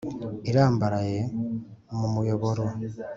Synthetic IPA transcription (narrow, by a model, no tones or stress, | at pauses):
iɾaːmbaɾaje̞ | mumujoβo̞ɾo